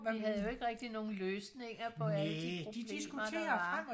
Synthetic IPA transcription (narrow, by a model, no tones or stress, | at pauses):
iɦæð̩ˠjo̝e̝ɡ̥əʁɛɡ̥̚d̥ino̝ːn̩løːsne̝ŋ̰ɐpʰɒ̽ælədiod̥i̥eḭsumɐd̰ːɐʋɑ